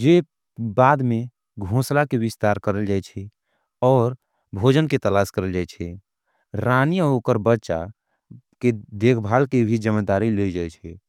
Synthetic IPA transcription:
d͡ʒe | bad̪me | ɡʱõslakebist̪aɾkəɾəld͡ʒajt͡ʃʰɛ | ɔːɾ | bʱod͡ʒənket̪əlaskəɾəld͡ʒajt͡ʃʰɛ | ɾaniokəɾbətːʃa̰ | ked̪ekʰbʱalkebʱid͡ʒəməd̪aɾiled͡ʒajt͡ʃʰɛ

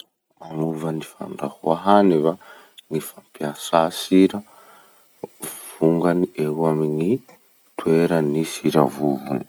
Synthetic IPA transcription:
manuvanifa̰ɳɖ͡ʐahuaɦaniva | ŋifampiasasiɾə | v̥uŋɡanieuamiŋi | t̪weɾənisiɾa̰vuvuni̥

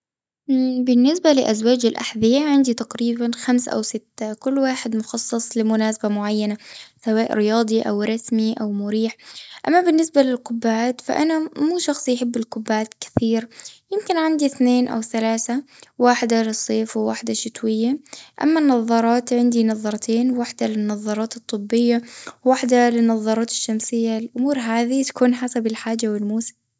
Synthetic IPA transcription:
bɪnːɪsbalɪ̰ʔazwaːd͡ʒɪlʔa̰ħðɪjaʕɪnd̪it̪aqɾiːbanxamsʔa̰wsɪt̪ːakʊlːwaːħɪd̪mʊxɑsˤːɨsˤlɪmʊnaːsabamʊʕajːanasawaːʔɾɪjɑːd̪ˤiʔa̰wɾˤɑsmiʔawmʊɾiːħʔa̰mːabɪnːɪsbalɪlqʊbːaːt̪fa̰ʔanamuːʃɑxsˤjħɪbːɪlqʊbːaːt̪kɪ̥θiːɾjɪmkɪnʕand̪iθneːnʔa̰wθalaːθawaːħɪd̪alɨsˤːeːfwɪwa̰ːħd̪aʃɪt̪wɪjːaʔa̰mːanːɑðˤːɑɾˤɑːt̪ʕɪnd̪inɑðˤːɑɾˤt̪ʰeːnwaħd̪alɪnːɑðˤːɑɾˤɑːt̪ɨt̪ˤːɨbːɪjːawːaħd̪alɪnːɑðˤːɑɾˤɑːt̪ɪ̥ʃːamsɪjːalʔʊmuːɾɦaːðit̪ḁkuːnħasabɪlħaːd͡ʒːawɪlmuːsɪ̥m

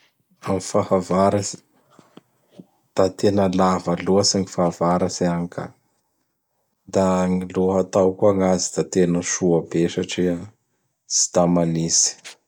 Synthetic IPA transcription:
amifahavaɾasi̥ | d̪̥at̪enəlavəluasaŋifavaɾasiaŋka̰ | d̪aŋiluɦat̪awkuaŋazid̪at̪enəʃuabeʃaʈ͡ʂia | si̥t̪amanisi̥

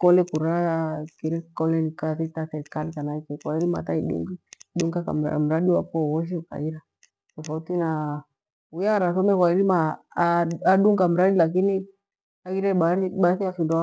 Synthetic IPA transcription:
kɔlɛkuɾakiɾɛkɔlɛnikaθitasɛɾikalikanaikɛkwailima̰taiɗɛ̰ŋɡiɗuŋɡaka̰ma̰m̩ɾaɗiwapɔwɔʃ̬ika̰iɾa | tɔfautina | ujaɾasɔmɛkwailima | aɗuŋɡam̩ɾaɗilak̬ini | akiɾɛɓaiɓaθiafinda

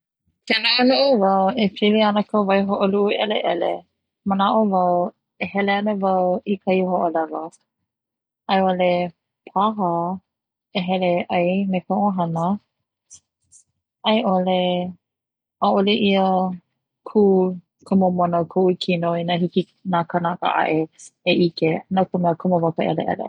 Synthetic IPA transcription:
kɛnaənuʔuvawepʰiliɐnəkʰəvajɦoʔoluʔːɛleʔɛle | mənaʔovaw | ehɛleanəvawikʰajɦoʔolɛlo | ʔɐjole | pʰaɦə | eɦɛleʔajmekaʔoɦanə | ʔajʔole | aʔoleʔiə | kʰu | kʰumomonokʰuʔukʰinoinaɦiki | nakanakə̰ʔa̰ʔeeʔikenakumɛəkʰumovakəʔɛ̰lḛʔɛ̰lḛ

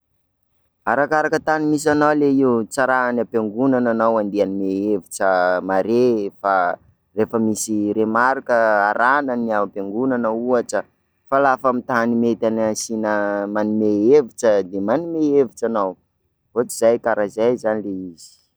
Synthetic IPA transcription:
aɾakaɾakət̪animis̬anawleiut͡saɾaanapeŋɡunananawand̪eanimeeviʈ͡ʂəmaɾefa | refəmisiɾemaɾkəaɾʔananiapeŋɡunanəuaʈ͡ʂə | falafamit̪animet̪anasinəmanimeeviʈ͡ʂəd̪emanimeeviʈ͡ʂanaw | ɦot͡si̥z̥ajkaɾazajzanileizi̥

